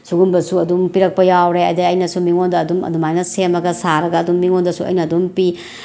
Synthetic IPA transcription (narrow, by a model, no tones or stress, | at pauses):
suɡunbɐsuɐdumpiɾɐk̚pɐjawɾeɐjdeɐjnɐsumiŋondɐːdumɐ̰dumajnɐsemɐɡɐsaɾɐɡɐːdumːiŋondɐsuɐ̰jnɐːdumpi